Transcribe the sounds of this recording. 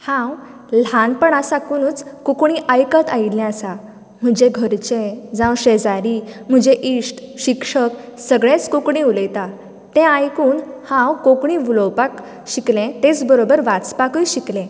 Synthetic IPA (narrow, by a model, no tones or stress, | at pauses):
hãw | lanpəɳasakunuːt͡skukɳiʔajkət̪aillɛ̃asa | m̤əd͡ʑeɡʱəɾt͡ɕẽd͡zãwɕed͡zaɾim̤əd͡ʑeʔisʈɕikʂəksəɡɭẽt͡skukɳĩuləjt̪a | t̪ɛ̃ajkuːnhãwkokɳĩʋulowpak | ɕiklẽt̪et͡sbəɾobəɾʋat͡spakəjɕiklɛ̃